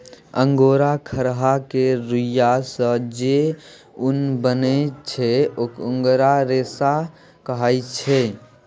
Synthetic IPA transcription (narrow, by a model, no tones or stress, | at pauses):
əŋɡoːɾakʰəɾɦakeɾʊjasəd͡ʒe | ʊnbənet͡ʃʰeokʊ̃ŋɡɾaɾeːsa | kəɦajt͡ʃʰe